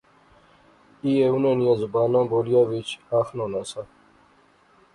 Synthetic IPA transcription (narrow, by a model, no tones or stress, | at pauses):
ieunẽːnijãzʊbaːnãːboːlijaːʋɪt͡ʃaːxnõːnãːsa